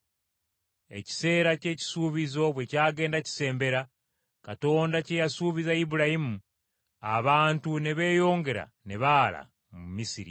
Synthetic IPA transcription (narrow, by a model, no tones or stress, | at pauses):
e̞̰ci̥se̞ːɾace̞ːci̥suːβizo̞βwe̞caːɡe̞ːndaci̥se̞ːmbe̞ɾa | kato̞ːndacejasuːβizaibuɾahimu | aβaːntuneβe̞ːjo̞ːŋɡe̞ɾa̰ | neβaːla̰ | mumisiɾḭ